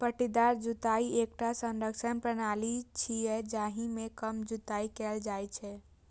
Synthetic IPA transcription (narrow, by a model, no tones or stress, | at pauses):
pəʈid̪aɾd͡ʒut̪aiek̚ʈasə̃nɾəkʃənpɾənalit͡ʃʰiɛd͡ʒaːɦimẽkəmd͡ʒut̪aikɛld͡ʒajt͡ʃʰɛ